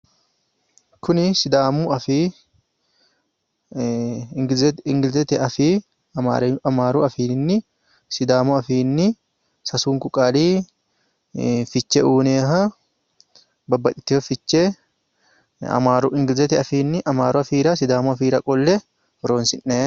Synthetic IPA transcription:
kʰʊnɪsɪd̪aːmuɐfi | ɡzɪŋɡɪlzɛt̪ɛɐfiː | a̰ːɾɐmaːɾuʔɐfiːnːɪ | sɪd̪aːmuɐfiːnːɪ | sɐsuːŋkʊkʼaːliː | fɪt͡ʃːɛʔuːneːɦɐ | bɐbːɐt̪ɪ̥t̪ːɪfɐfɪt͡ʃːe | ɐ̰maːɾuɪŋɡɪlzɛt̪ɛɐfiːnːɪʔɐmaːɾʊɐfiːɾɐsɪd̪aːmuɐfiːɾɐkʼɔlːɛ | hɔɾoːnsɪnːeː

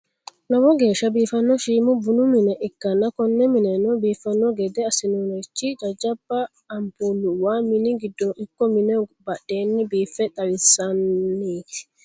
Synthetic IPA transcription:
nɐwɔɡe̞ːʃɐbiːfɐnːɔʃiːmʊbʊnʊmɪnɛʔɪkːɐnːɐkɔnːɛmɪnɛnɔbiːfɐnːɔɡɛd̪ɛɐsɪnʊnɔt͡ʃːid͡ʒɐd͡ʒɐbːɐː | mpuːlːʊwaːmɪnɪɡɪd̪ːɔɪkːɔmɪnɛbɐɗːe̞ːnːɪbiːfːɛt̪ʼɐwɪsɐnːi̥ː

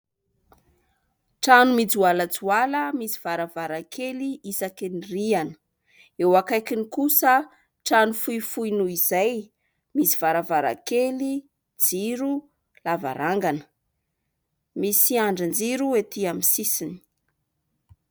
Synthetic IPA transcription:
ʈ͡ʂanumid͡zualəd͡zualəmisi̥v̥aɾavaɾakʰeliisakinirianə̥ | ewakajkinikusə | ʈ͡ʂanufuifujnuizaj | misi̥v̥aɾavaɾa̰keli | d͡ziɾu | lava̰ɾʔaŋɡanə̥ | misiaɳɖ͡ʐənd͡ziɾuet̪iamisisini̥

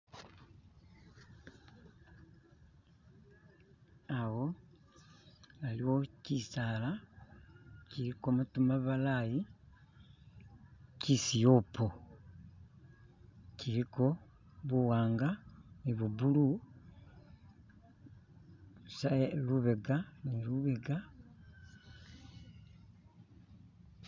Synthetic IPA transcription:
awo | aliwo̞cisaːla | ciɾikomutumaβalaji | cisijopʰo | ciɾiko̞ | βuwaːŋɡaniβubulu | saluβeɡaniɾuβeɡa

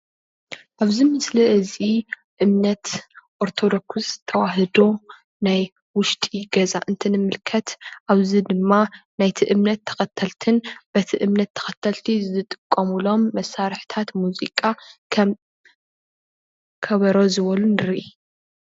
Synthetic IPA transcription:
ʔaβzimɨsliʔɨzi | ʔɨmnɐt̪ʔoɾt̪ʰo̞d̪o̞kst̪ʰɐwaɦɨd̪o | naj | wʊʃt̪ʼiɡɐzaʔɨnt̪ʰɨnɨmɨlkʰɐt̪ʔaβzid̪ɨmːanajt̪ʰiʔɨmnɐt̪ʰːɐ̥xɐt̪ʰːɐlt̪ʰɨnb̥ɐt̪ʰiʔɨmnɐt̪ʰːɐ̥xɐt̪ʰːɐlt̪ʰizɨt̪ʼɨ̥kʼːɐmulo̞mːɐsːaɾħt̪ʰat̪muzḭkʼa | kʰɐβɐɾo̞zɨβɐlunɨɾʔi

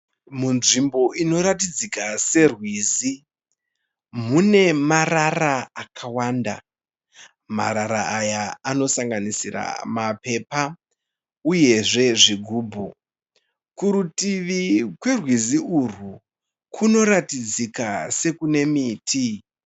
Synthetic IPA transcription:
munʐimbo̞ʔino̞ɾatid͡zikase̞rwiːzi | mune̞mararaːkʰawaːnda̰ | ma̰ɾaɾaːjaano̞saŋɡanisira̰mape̞pa | uje̞ʐe̞ʐiɡʱuːbʱu | kuɾutiʋikwe̞rwiziuru | kʰuno̞ɾatid͡zikase̞kune̞miːtʰi

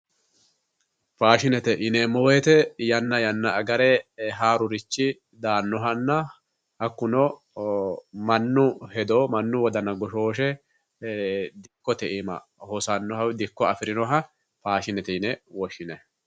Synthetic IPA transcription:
faːʃɪnɛt̪ɛʔɪnɛmɔwɛt̪ɛjɐnːɐjɐnːɐɐɡɐɾɛɦaːɾʊɾɪt͡ʃːɪ | d̪aːnːɔɦɐnːɐ | hɐkːʊnɔ | mɐnːʊhɛd̪oːmɐnːʊwɔd̪ɐnɐɡɔʃoːʃ̬ɛ | d̪ɪkːɔt̪ɛʔimɐ̰ | hɔsɐnːɔhɐwd̪ɪkːɔɐfɪɾɪnɔɦɐ | faːʃɪnɛt̪ɛɪnɛwɔʃːɪnɛ

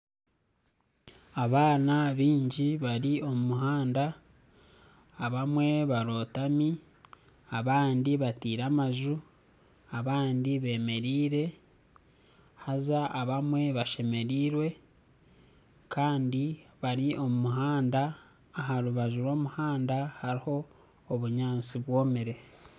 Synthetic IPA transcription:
aβaːnaβiːɲɟiβaɾio̞mumuɦaːnda | βamwe̞βaɾo̞ːtami | aβaːndiβatiːɾamaʒu | aβaːndiβe̞ːme̞ɾiːɾe̞ | hazaʔaβamwe̞βaʃe̞me̞ɾiːɾwe̞ | kʰaːndiβaɾio̞mumuɦaːndaː | ɦaɾuβaʒuɾo̞ːmuhaːndahaɾiho̞ː | βuɲaːnt͡siβwo̞ːmeɾe̞

